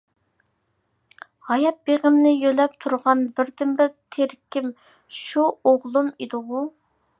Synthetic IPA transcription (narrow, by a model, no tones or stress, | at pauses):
hɑjɑt̪̚b̥eʁəmnɪjølɛp̚t̪ʰuɾʁɑnbɪɾd̪ɪmbɪɾt̪ʰeɾkʲim | ʃuoʁlˠumid̪ɨʁʊ